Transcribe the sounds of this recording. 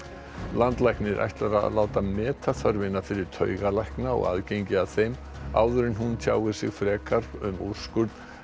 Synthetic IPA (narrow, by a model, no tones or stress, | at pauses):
lant̪lajknɪɾʔa̰jht̪laɾa̰laːwt̪amɛːt̪ʰaθœɾvɪnafɪɾɪɾ̥t̪ʰœːɥɣalajhknaɔ̰ɣa̰ðcejɲcɪaθejm | a̰ːwðʏɾɪnɦunt̪ʰjaːwɣɪ̥sɪɣfɾɛːkʰar̥pʏmur̥skʏɾt̪n